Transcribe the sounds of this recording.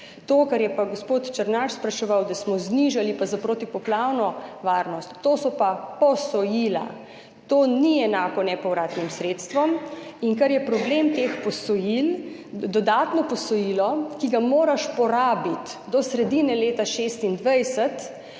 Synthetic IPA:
t̪oːkaɾjɛpaɡospoːt̪t͡ʃəɾnaʃspɾaʃɛʋawd̪asmɔzniʒalipazapɾoːt̪ipɔplawnɔʋaːɾnɔst̪ːoːsɔpapɔsɔjila̰ | t̪oːniɛnaːkɔnɛpɔwɾaːt̪nimsɾeːt̪st̪ʋɔmiŋkaɾjɛpɾɔblemt̪expɔsɔjild̪ɔd̪aːt̪nɔpɔsɔjiːlɔkiɡamoːɾaʃpɔɾaːbit̪d̪ɔsɾɛd̪inɛleːt̪aʃest̪ind̪ʋɛjsɛt̪

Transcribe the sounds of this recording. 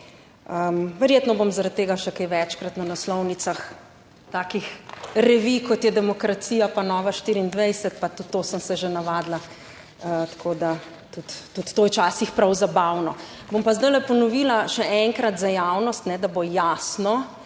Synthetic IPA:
əmʋɛɾjet̪nɔbomzaɾat̪̚t̪ːeːɡaʃɛkɛjʋɛt͡ʃkɾat̪nanaslɔwnit̪sax | t̪aːkixɾɛʋikɔt̪jɛd̪ɛmɔkɾat̪siːjapanɔːʋaʃt̪iːɾiːnd̪ʋɛjsɛt̪pat̪ut̪ːoːsəmsɛʒenaʋaːd̪la | ət̪ḁkʰoːd̪a | t̪ut̪ːut̪t̪ːoːjt͡ʃaːsixpɾawzabawnɔ | bompazd̪awlɛpɔnɔʋilaʃɛʔɛŋkɾat̪zajaːwnɔst̪nɛd̪abojasnɔ

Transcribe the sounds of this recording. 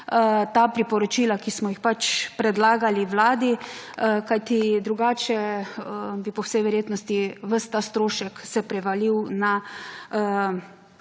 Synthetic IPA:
t̪aːpɾipɔɾɔt͡ʃilakismɔjixpat͡ʃpɾɛd̪laːɡaliwlaːd̪i | kajt̪id̪ɾuɡaːt͡ʃɛ | bipɔwsɛjʋɛɾjeːt̪nɔst̪iʋəst̪ast̪ɾoːʃɛksɛpɾɛʋaliwna

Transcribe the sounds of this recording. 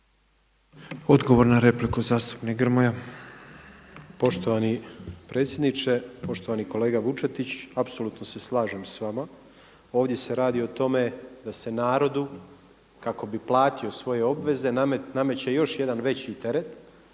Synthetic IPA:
od̪ɡoʋoɾnaɾeplikuzaːst̪u̥pnikɡr̩moja | po̞ʃt̪o̞ʋanipɾʔet̪sjed̪nit͡ʃe̞po̞ʃt̪o̞ʋaniko̞le̞ːɡaʋut͡ʃet̪it͡ɕapso̞luːt̪no̞se̞slˠaːʒemsʋama | o̞ːʋd̪je̞seɾaːd̪io̞t̪o̞me̞d̪ase̞naːɾo̞d̪u | kako̞biplˠaːt̪io̞sʋo̞je̞o̞bʋe̞ze̞name̞t͡ɕejo̞ʃjed̪anʋe̞t͡ɕit̪e̞ɾe̞t̪

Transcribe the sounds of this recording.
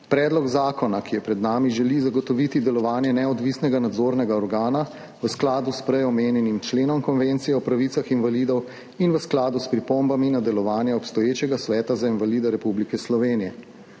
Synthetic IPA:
pɾɛːd̪lɔɡzaːkɔnakijɛpɾɛd̪naːmiʒɛlizaɡɔt̪ɔʋit̪id̪ɛlɔʋaːnjɛnɛɔd̪ʋisnɛɡanad̪zoɾnɛɡaɔɾɡaːna | ʋəsklaːd̪uspɾɛjɔmeːnjɛnimt͡ʃleːnɔmkɔnʋent̪sijɛɔpɾaʋit̪saxinvalid̪ɔw | inʋəsklaːd̪uspɾipombaminad̪ɛlɔʋaːnjɛɔpst̪ɔjeːt͡ʃɛɡasʋɛːt̪azainvalid̪ɛɾɛpublikɛslɔʋeːnijɛ

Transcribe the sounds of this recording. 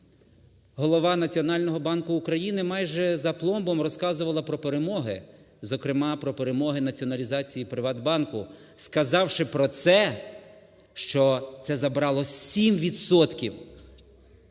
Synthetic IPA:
ɦɔlˠɔʋɑnɐt͡sʲiɔnɑlʲnɔɦɔbɑnkʊːkɾɐjinɪmɑjʒɛzɐplˠɔmbɔmrɔskɑzʊʋɐlˠɐpɾɔpeɾemɔɦɪ̰ | zɔkɾɪmɑpɾɔpeɾemɔɦɪnɐt͡sʲiɔnɐlʲizɑt͡sʲijipɾɪʋɑd̪bɑnkʊ | skɐzɑwʃɪpɾɔt̪sɛ | ʃt͡ʃɔt̪sɛzɐbɾɑlˠɔimʋʲid̪sɔt̪kʲiw

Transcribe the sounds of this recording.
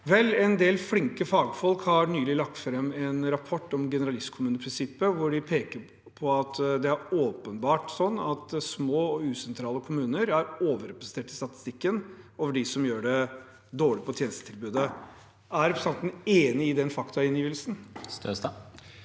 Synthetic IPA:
ʋɛlːɛnd̪eːlflɪŋkəfɑːɡfɔlkhɑɾɳyːlɪlɑk̚t̪fɾɛmːɛnɾɑpʰɔʈːɔmɡɛnəɾɑlɪst̪kʰʊmʉːnəpʰɾɪnsɪpːəʋʊɖɪpʰeːkəɾ | pʰɔɑt̪d̪ɛæɾoːpənbɑːʈsɔnːɑt̪smoːɔʉːsɛnt̪ʰɾɑːləkʰʊmʉːnəɾæɾoːʋəɾɛpɾəsənt̪ʰeːʈɪst̪ɑt̪ɪ̥st̪ɪkːənoːʋəɖɪsɔmjøːɖɛ | d̪oːɭɪpʰɔt̪ʰjeːnəst̪ət̪ʰɪlbʉːd̪ə | æɾɛpɾəsɑnt̪neːnɪɪd̪ɛnfɑkt̪ɑɪnjiːʋəlsn̩s

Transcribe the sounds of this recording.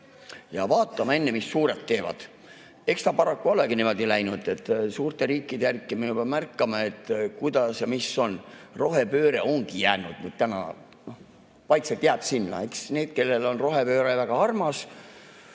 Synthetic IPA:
jɑvɑːt̪ːˑɑmɑe̞nːemisːuːɾe̞t̪ːe̞ːvɑ̰d̪̥ | e̞kst̪ɑpɑɾɑkːuo̞leɡ̥inimo̞d̪ilæjnud̪̥e̞t̪ːˑsuːrt̪e̞ɾiːkːˑid̪e̞jærkːˑiminub̥ɑmærkːˑɑmɑe̞t̪ːkujd̪̥ɑsjɑmiso̞nro̞ɦe̞pø̞ːɾe̞̰o̞ŋɡ̥ijæːnud̪̥nyd̪̥̚t̪ænɑ̰ | noh | pɑjt̪set̪jæb̥sinːɑ̰eksne̞ːd̪̥ke̞lːe̞lo̞nro̞ɦe̞pø̞ːɾevæɡ̥ɑɑrmɑs

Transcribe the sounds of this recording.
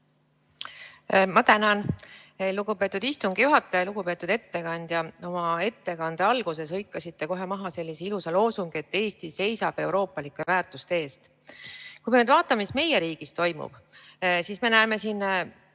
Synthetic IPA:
mɑt̪ænɑnluɡ̥upe̞ːt̪ːˑud̪ist̪uŋɡ̥ijuɦɑt̪ːˑɑjɑluɡ̥upe̞ːt̪ːˑud̪̥e̞t̪ːe̞kɑnʲd̪̥jɑo̞mɑe̞t̪ːe̞kɑnd̪̥eɑlɡ̥use̞sɤjkːˑɑsit̪ːe̞ko̞ɦe̞mɑɦɑse̞lʲːiseilusɑlo̞ːsuŋɡ̥ie̞t̪ːe̞ːst̪ise̞jsɑb̥e̞wɾo̞ːpːˑɑlikːˑevæːrt̪ˑust̪ee̞ːst̪ | kujmenyd̪vɑːt̪ːˑɑmeisme̞je̞ɾiːɡ̥ist̪o̞jmṵb̥sisme̞næeme̞sin

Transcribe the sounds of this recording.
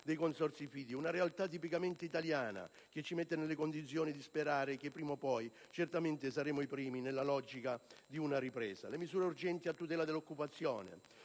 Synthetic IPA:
d̪ɛjkonsɔrt̪sifiːd̪iunaɾealt̪at̪ːipikament̪ɪit̪aljaːna̰ | k̟et͡ʃːimet̪ːenelːekond̪it̪sːjɔːnid̪ispeɾaːɾɪk̟epːɾiːmopɔj | t͡ʃɛrt̪ament̪ɪsaɾɛːmʊipɾiːminelːalɔd͡ʒikad̪iunaripɾɛ̰ːsa̰lemizuːɾeurd͡ʒɛnt̪iat̪ːut̪ɛːlad̪elːokːupat̪sːjɔːnḛ

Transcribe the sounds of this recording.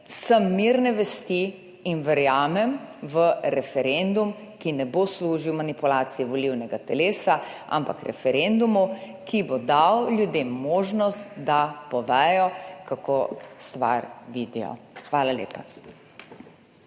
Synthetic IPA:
səmːiɾnɛʋɛst̪iː | nʋɛɾjaːmɛmʋəɾɛfɛɾend̪um | kinɛbosluːʒiwmanipulaːt̪sijɛʋɔliwnɛɡat̪ɛleːsaʔa̰mpa̰kɾɛ̰fɛɾend̪umu | kibod̪awljud̪emːoːʒnɔst̪d̪apɔʋɛːjɔkakost̪ʋa̰ɾʋiːd̪ijɔ̰xʋaːlalḛːpa

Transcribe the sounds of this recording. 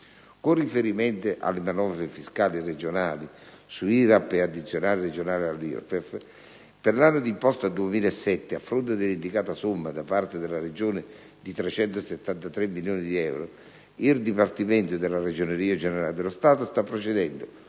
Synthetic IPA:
kʊrːifeɾimɛnt̪ɪʔa̰lːɪmanɔvɾefiskaːlired͡ʒonaːli | suiɾapːead̪ːit̪sːjonaːlɪred͡ʒonaːlɪalːḭɾ̰pɛf | pɪɾlanːʊd̪impɔst̪ad̪uemiːlaɛsːɛt̪ːɪafːɾʊnt̪̬ɪd̪ɪlind̪ikaːt̪asʊmːad̪apart̪ɪd̪ɪlared͡ʒoːnɪ | d̪it̪ɾɛt͡ʃɛnt̪ʊset̪ːant̪at̪ɾemːiljoːnid̪iɛwɾo | ird̪ipart̪imɛnt̪ʊd̪ɪlared͡ʒoneɾiːad͡ʒɛneɾalɪd̪elʊst̪aːt̪ʊst̪apːɾot͡ʃed̪ɛnd̪ʊ

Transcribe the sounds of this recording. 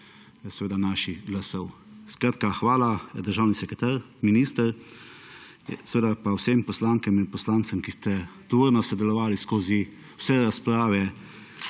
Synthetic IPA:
sɛʋeːd̪anaːʃiɡlasɔwskɾaːt̪kaxʋaːlad̪əɾʒaːwnisɛkɾɛt̪aːɾ | miniːst̪əɾ | sɛʋeːd̪apawsempɔslaːŋkɛminpɔslaːnt̪səmkist̪ɛt̪ɔʋoɾnɔsɔd̪ɛlɔʋaːliskoːzi | wsɛɾaspɾaːʋɛ

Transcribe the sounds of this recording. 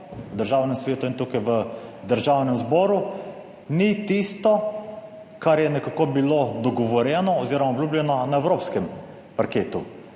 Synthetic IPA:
d̪əɾʒaːwnɛmsʋeːt̪uint̪ukajʋəd̪əɾʒawnɛmzbɔːɾu | nit̪ist̪ɔ | kaɾjɛnɛkakoːbilod̪ɔɡɔʋɔɾjɛnɔɔziːɾɔmaɔbljuːblʲɛnɔnaɛwɾoːpskɛm | paɾkeːt̪u

